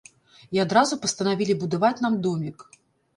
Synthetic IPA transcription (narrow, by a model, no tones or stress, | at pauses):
iad̪ɾazupɐst̪ɐnavʲilʲibud̪avat͡sʲnamd̪ɔmʲik